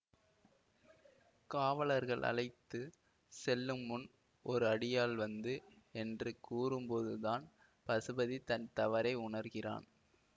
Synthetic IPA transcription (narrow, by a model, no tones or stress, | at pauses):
kaːʋɐɭɐɾɣɐɭʔɐ̰ɭɐɪt̪ːɯ | sɛlːɯmːʊn | ʔɔɾɯɐɽɪjaːlʋɐnd̪ɯ | ɛndrɯkuːrɯmpoðɯðaːn | pɐsɯbɐðit̪ɐnt̪ɐʋɐɾɐɪʊɳɐɾɣɪra̰ːn